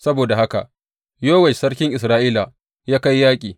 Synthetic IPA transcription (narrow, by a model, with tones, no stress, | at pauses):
sɐ˦boː˨da˨ha˦ka̰˨ʔ | joː˦wɛ˨ʃsɐ˦ɽkʲɪ˦ŋʔɪ˨sɾaː˦ʔiː˦la˨ | jaː˦ka˦jːaː˦kʲʼiː˨